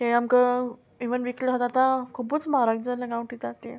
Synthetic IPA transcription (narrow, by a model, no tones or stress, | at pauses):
kẽamkə | iʋənʋikləɦət̪at̪ãkʰubuːt͡smaɾaɡd͡zələkawuɳʈid͡zat̪e